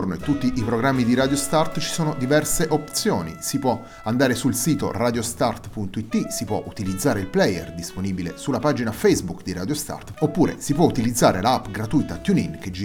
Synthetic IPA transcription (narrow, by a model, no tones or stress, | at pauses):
rnoet̪ːut̪ːiʔipɾoɡɾamːid̪iɾad̪jost̪art̪t͡ʃi̥soːnod̪ivɛrseʔopt̪sjoːnḭsipwɔ | and̪aːɾesulsiːt̪o̰raːd̪jost̪art̪punt̪oit̪ːisipwɔʔut̪ilid̪zːaːɾeilplɛjḛrd̪isponiːbilesulːapad͡ʒinafɛjzbukd̪iɾa̰d̪jost̪a̰rt̪opːuːɾḛsipwɔut̪ilid̪zːaːɾelaapːɡɾat̪ujt̪at̪juninked͡ʒi